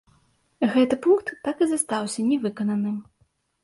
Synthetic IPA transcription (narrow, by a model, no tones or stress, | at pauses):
ɣɛt̪ɨpunkt̪ːakɨzast̪awsʲɐnʲɛvɨkɐnɐnɨm